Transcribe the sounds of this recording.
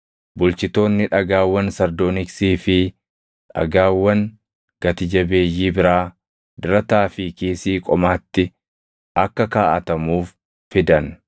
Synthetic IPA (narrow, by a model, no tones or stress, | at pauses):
bʊlt͡ʃɪt̪o̞ːnːɪᶑɐɡaːwːɐnsɐɾd̪oːnɪksiːfɪ | ᶑɐ̰ɡaːwːɐŋ | ɡ̥ɐt̪ɪd͡ʒɐbe̞ːjːiːbɪɾaː | d̪ɪɾɐt̪aːfɪkeːsiːkʼɔmaːt̪ːɪ | ʔɐkːɐkaːʔɐt̪ɐmuːf | fɪd̪ɐn